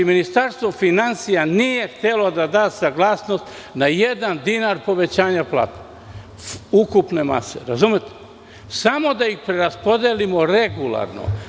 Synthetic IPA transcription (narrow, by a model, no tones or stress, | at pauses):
minist̪aɾst̪ʋofinansijanije̞xt̪elo̞d̪ad̪aːt̪saɡlˠaːsno̞st̪najed̪and̪inaɾpo̞ʋe̞t͡ɕaːɲaplˠa̰ːt̪ḁ | ukupne̞ma̰se̞̰ɾazumet̪e̥ | samo̞d̪aixpɾeɾaspo̞d̪elimoɾe̞ɡulˠa̰ɾno̰